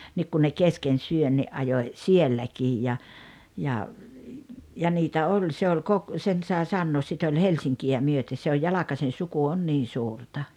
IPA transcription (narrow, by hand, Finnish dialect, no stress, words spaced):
nik kun ne kesken syønːiʔ ʔɑjoĭ sielːækiːj jɑ jɑ jɑ niːtæ olʲ se ol kok sen sɑe sɑnːoːs sit olʲ helsiŋkiæ myøte se oj jɑlɑkɑsen̞ suku on niːn̞ suːrtɑ